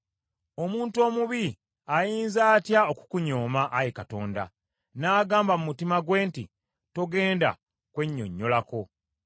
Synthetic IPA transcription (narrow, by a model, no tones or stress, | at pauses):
o̞muːnto̞ːmuβi | ajiːnzaːtjao̞ku̥kuɲo̞ːmaʔːjekato̞ːnda̰ | naːɡaːmbamumutimaɡweːnti | to̞ɡe̞ːnda̰ | kwe̞ɲːo̞̰ɲːo̞lako̞